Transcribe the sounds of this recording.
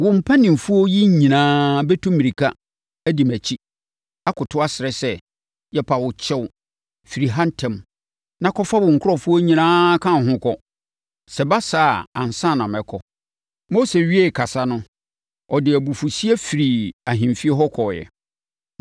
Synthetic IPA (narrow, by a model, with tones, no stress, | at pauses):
wʊ̃˨m̩˨pʰa˦nɪ̃˨mfu˦o˦ji˦ɲ̩˨ɲĩ˨nãː˦bɛ˦tʰũ˦mːĩ˨i˨kʰa˦ | æ˦di˨mæ˨t͡ɕʰi˦ | a˦kʊ˨tʰʊ˦a˦sɪ˨ɾɛ˦sɛ˦ | jɛ˦pʰa˨wʊ˨t͡ɕʰɛ˦w | fi˨ɾi˨ɦã˦n˦tʰɛ̃˨m | nã˦kʰɔ˦fa˦wʊ̃˨ŋ̩˨kʰʊ˦ɾɔ˦fu˦o˦ɲĩ˨nãː˦kʰã˦˨ɦʊ̃˦kɔ˦ | sɛ˨ba˦saː˨ã̰˨n˨sã˦˨nã˨mɛ˨kʰɔ˦ | mo˦se˨ɥi˦e˦˨kʰa˨sa˦nʊ̃˦ | ɔ˨dɪ˨æ˨bu˨fu˨si˦e˦fi˨ɾi˨a˨ɦɪ̃˨m˨fi˦ɛ˦ɦɔ˦kʰɔ˨jɛ̰˨